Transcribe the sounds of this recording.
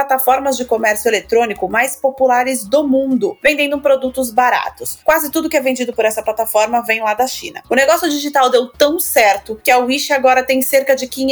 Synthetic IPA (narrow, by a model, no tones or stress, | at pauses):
at̪afɔɾmɐzd͡ʒɪkomɛɾsjʊelet̪ɾõnikʊmajspopulaɾɪzd̪ʊmũnd̪ʊvẽd̪ẽnd̪ʊpɾod̪ut̪ʊzbaɾa̰t̪ʊskwazɪt̪ud̪ʊkɪɛvẽnd͡ʒid̪ʊpoɾɛsɐplat̪afɔɾmɐvẽj̃lad̪ɐʃḭ̃nɐ̰ʊneɡɔsjʊd͡ʒiʒit̪awd̪ewt̪ɐ̃w̃sɛɾt̪ʊkɪɐwiʃɪaɡɔɾɐt̪ẽj̃seɾkɐd͡ʒɪkĩɲ